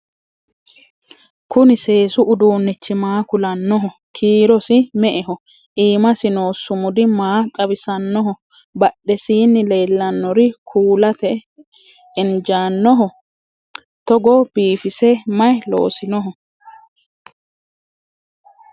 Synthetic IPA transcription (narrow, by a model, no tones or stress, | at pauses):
kʊnɪse̞ːsʊʔʊd̪uːnːɪt͡ʃːɪmaːkʊlɐnːɔɦɔ | kʰiːɾɔsɪmɛʔɛɦɔ | ʔiːmɐsɪnoːsːʊmʊd̪ɪmaːt̪ʼɐbɪsɐnːɔɦɔ | bɐɗːɛsiːnːɪle̞ːlːɐnːɔɾɪkʰuːlɐt̪ɛ | ɪnd͡ʒaːnːɔɦɔ | t̪ɔɡɔb̥iːfɪsɛmɐjlo̰ːsɪnɔɦɔ